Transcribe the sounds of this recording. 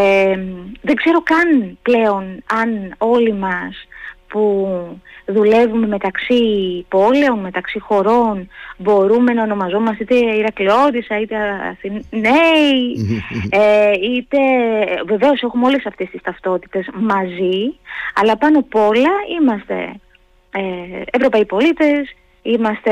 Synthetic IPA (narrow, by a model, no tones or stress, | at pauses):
eðe̞ɡz̥e̞ɾo̞kɐnple̞o̞nɐno̞limɐspu | ðule̞vume̞me̞t̪ɐksipo̞le̞o̞nme̞t̪ɐksixo̞ɾo̞nbo̞ɾume̞nɐo̞no̞mɐzo̞mɐst̪it̪eiɾɐklio̞t̪isɐit̪eɐ̰θinei | eit̪e̞ve̞ve̞o̞se̞xumeo̞lesɐft̪e̞st̪ist̪ɐft̪o̞t̪i̥t̪e̞smɐziɐlɐpɐno̞po̞lɐimɐst̪e̞̰ | eevɾo̞pɐipo̞lit̪e̞s | imɐst̪e